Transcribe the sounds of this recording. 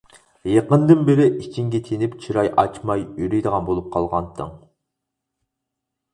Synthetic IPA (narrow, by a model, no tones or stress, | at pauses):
jeqənd̪ɨnbɪɾɪʔit͡ʃʰiŋɡʲɛt̪ʰenɪpt͡ʃʰiɾɑjʔɑ̰t͡ʃmɑjyɾyjd̪əʁɑnbolˠup̚qʰɑlˠʁɑnt̪ʰːɨ̰ŋ